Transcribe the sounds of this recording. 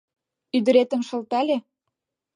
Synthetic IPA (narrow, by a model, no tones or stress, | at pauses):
yd̪ə̆ɾet̪ə̆mʃɤ̆lt̪ælʲe